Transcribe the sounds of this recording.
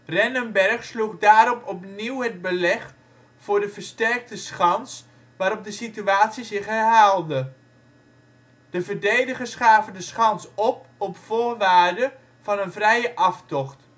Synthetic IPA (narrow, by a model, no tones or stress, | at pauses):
rɛnəmbɛrχsluχdaːɾɔpɔpniwɦəd̚bəlɛχ | fʊːɹdəvəɹstɛɹk̚təsχɑns | ʋaːɾɔp̚dəsityaːtsizɪχɦɛrɦaːlˠdə | d̥əvəɹdejdəχəsχaːvəndəsχɑnsɔp̚ɔpfoːɹʋaːɹdə | vɑnənvrɛjəʔɑftɔχt